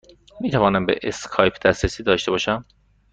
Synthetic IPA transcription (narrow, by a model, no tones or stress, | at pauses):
miːt̪ʰævɒːnæmbḛʔeskʰɒːjpʰd̪æsɾesiːd̪ɒːʃt̪e̞bɒːʃæm